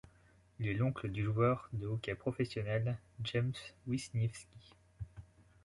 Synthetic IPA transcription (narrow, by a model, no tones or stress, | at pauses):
ilɛlɔ̃kləd̪yʒwœʁd̪əokʲɛpχɔfɛsjɔnɛlʒɛmswisnɛfskʲi